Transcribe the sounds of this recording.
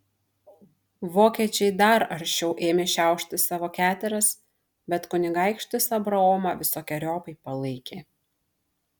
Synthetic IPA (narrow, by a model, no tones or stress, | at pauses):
ʋoːkʲiɛt͡ʃʲɛɪd̪ɐɾɐɾʲʃʲt͡ʃʲɛʊʔeːmʲeːʃʲæˑʊʃʲt̪ʲɪsɑːʋoːkʲæːt̪ʲɛɾɐs | bʲɛt̪kʊnʲɪɡɑˑɪkʃʲt̪ʲɪsɐbɾɐɔːmɐʋʲɪsoːkʲɛɾʲoːpɐɪpɐlˠɐɪkʲeː